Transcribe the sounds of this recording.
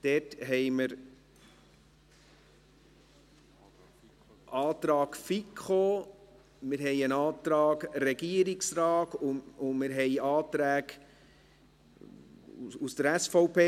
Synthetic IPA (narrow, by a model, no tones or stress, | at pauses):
d̥ɛtɦɛɪməɾ | ʔɑːt̪ɾɑːkfikχoː | mɪɾɦɛɪənɑːt̪ɾɑːkɾɛɡiəɾiksrɑːtʊʊmɪɾɦɛɪɑːt̪ɾæːɡ | ust̪əɾæsfɔʊpʰeː